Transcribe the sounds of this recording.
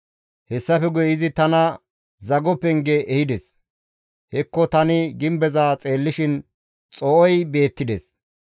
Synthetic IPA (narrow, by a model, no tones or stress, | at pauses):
hɛsːɐfɛɡʊjɪzɪt̪ɐnɐ | zɐɡɔpːɛŋɡeʔːhɪd̪ɛs | hɛkːɔt̪ɐnɪɡɪmbɛzaːt͡sʼeːlːɪʃɪn | t͡sʼɔʔɔjbe̞ːt̪ːɪd̪ɛs